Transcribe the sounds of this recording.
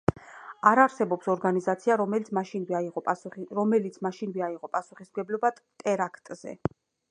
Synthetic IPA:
aɾaɾsɛbɔpsɔɾɡanizat̪sʰiaɾɔmɛt̪maʃinvɛiʁɔɾɔmɛlit̪sʰmaʃinvɛaiʁɔpʼasuχismɡɛblɔbat̪ʼɛɾakʰt̪ʼz̥ɛ̰

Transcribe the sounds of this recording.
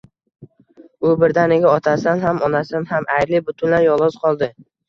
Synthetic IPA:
ʊbɪɾd̪anɪɡʲaɒt̪ʰasanɦamɒnasanhamʔajɾlɪbʊt̪ʰʊnlaɾjɒlˠɒz̥qʰɒlˠd̪ɪ

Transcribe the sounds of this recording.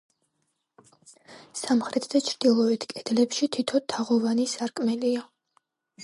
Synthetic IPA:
samχɾʔɛt̪ʰd̪at͡ʃʰɾd̪̥ilˠɔɛt̪ʰkʼɛd̪̥lɛpʃit̪ʰit̪ʰɔt̪ʰːaʁɔvanisaɾkʼmɛlia

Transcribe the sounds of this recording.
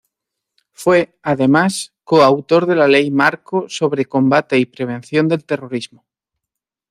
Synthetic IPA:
fwe̞aðe̞maskoawt̪o̞ɾðe̞lale̞jmaɾkoso̞βɾe̞ko̞mbat̪e̞ipɾe̞β̞ẽ̞n̟θjo̞nd̪e̞lt̪e̞ro̞ɾizmo

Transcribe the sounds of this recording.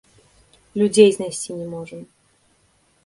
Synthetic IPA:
lʲʊdʲejznɐsʲtʲinʲɪmoʐɨm

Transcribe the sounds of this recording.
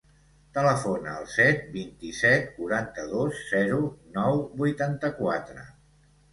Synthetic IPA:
t̪ələfonəːlˠsɛt̪̚bint̪isɛt̪̚kuɾant̪əðosz̥ɛɾunɔwbujt̪ant̪əkwat̪ɾə

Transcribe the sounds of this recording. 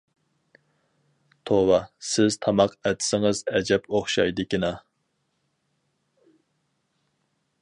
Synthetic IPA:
t̪ʰowɑsɪz̥t̪ʰɑmɑqɛt̪ʰsɪŋɨzɛd͡ʒɛpoχʃɑjd̪ɨkʲinɑ

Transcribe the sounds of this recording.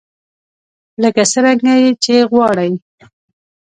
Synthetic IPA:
ləkasəɾaŋɡajet͡ʃeɣwɑɽəj

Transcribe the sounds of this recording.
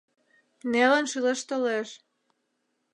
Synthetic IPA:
nelənʃɯleʃt̪oleʃ

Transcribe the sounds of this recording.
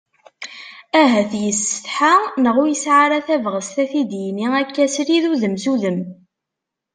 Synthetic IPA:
æɦæθjəsːə̥θħanəʁujəsʕaɾaθævʁəst̪æθid̪jəniækːæsɾiðuðəmzuðəm

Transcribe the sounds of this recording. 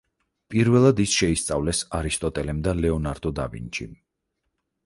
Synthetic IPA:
pʼiɾvɛlˠad̪isʃɛist̪sʼavlɛsaɾist̪ʼɔt̪ʼɛlɛmd̪alɛɔnaɾd̪ɔd̪a̰bḭnt͡ʃḭm

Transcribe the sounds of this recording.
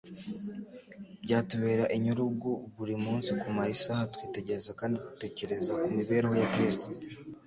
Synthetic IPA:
bɟaːtuβeːɾaʔiɲuɾubɡuβuɾimuːnsikumaisahatwiːte̞ɟe̞ɾezakaːnditu̥te̞ːce̞ɾe̞zakumiβe̞ːɾehojakɾisto

